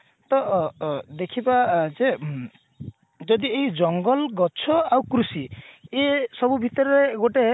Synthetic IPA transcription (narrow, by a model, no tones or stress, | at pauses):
t̪ɔ | d̪ekʰibad͡ʒe | d͡ʒɔd̪ieid͡ʒɔŋɡɔlɡɔt͡ʃʰɔawkɾusiesɔbubʱit̪ɔɾɔɾeɡoʈe